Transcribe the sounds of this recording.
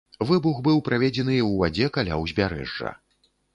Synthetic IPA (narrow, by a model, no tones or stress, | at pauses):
vɨbuɣbɨwpɾavʲɛd͡zʲɛn̪ɨjɛwvad͡zʲɛkalʲa̰wzʲbʲaɾɛ̰ʐːɐ̰